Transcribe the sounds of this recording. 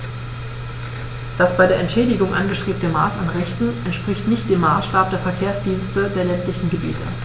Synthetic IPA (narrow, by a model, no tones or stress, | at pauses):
d̥asb̥aɪdeːɐʔɛntʃɛːdɪɡʊŋʔa̰nɡəʃtʁ̥eːp̚təmaːsanʁɛçtn̩ʔɛntʃpʁ̥ɪçtnɪçt̚d̥eːmːaːsʃtaːp̚d̥eːɐfɛɐkʰeːɐsd̥iːnstədeːɐlɛntlɪçn̩ɡəbḭːtʰə̰